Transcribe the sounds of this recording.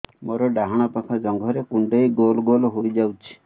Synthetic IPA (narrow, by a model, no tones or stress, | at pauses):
moɾɔɖaɦaɽ̃ɔpakʰad͡ʒɔŋɡʱɔɾekuɳɖejɡolɔɡolɔɦojd͡ʒawt͡ʃʰi̥